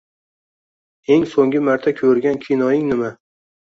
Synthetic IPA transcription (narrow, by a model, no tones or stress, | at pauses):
e̞ŋsoŋɡʲɪmaɾt̪ʰakʲʰɵɾɡʲankʲʰijnɒjɪŋnɪma